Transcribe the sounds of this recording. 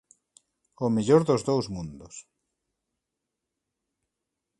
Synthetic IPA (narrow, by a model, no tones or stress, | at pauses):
omiʎoɾðozðowzmũnd̪os